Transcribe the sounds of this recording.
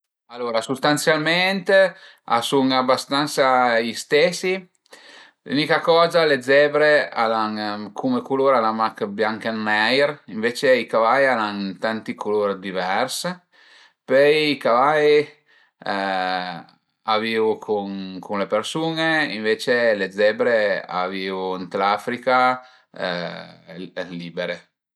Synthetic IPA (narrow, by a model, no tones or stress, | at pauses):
alːoːɾasust̪ant̪sjalment̪e | a̰suŋabːast̪ant̪saʎist̪esi | lṵnikakɔːzaled̪zɛbɾealaŋkʰumekuloːɾalamakbjaŋkanːɛjɾiɱveːt͡ʃeikavajalaŋt̪ant̪ikuloɾd̪ivɛrs | pɛjikavaj | aviːvukʰuŋkunlepeɾsuːneiɱveːt͡ʃeled̪zɛːbɾea̰viːvunt̪lafɾika | liːbeɾe